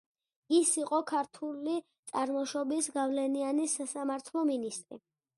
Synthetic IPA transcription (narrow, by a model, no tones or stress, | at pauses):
isiqʼɔkʰaɾt̪ʰulit̪sʼaɾmɔʃɔbisɡavlɛnianisasamaɾt̪ʰlˠɔminist̪ʼɾḭ